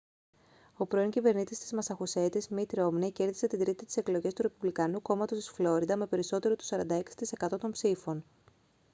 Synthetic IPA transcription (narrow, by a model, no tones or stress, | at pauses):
o̞pɾo̞iɲcive̞ɾnit̪ist̪izmɐsɐxuse̞t̪izmit̪ɾo̞mneceɾðise̞t̪ind̪ɾit̪it̪i̥seklo̞ʝe̞st̪uɾe̞puvlikɐnuko̞mɐt̪o̞st̪isflo̞ɾiðɐme̞pe̞ɾiso̞t̪e̞ɾot̪u̥sɐɾɐnd̪ɐe̞ksi̥t̪ise̞kɐt̪o̞t̪o̞mpsifo̞n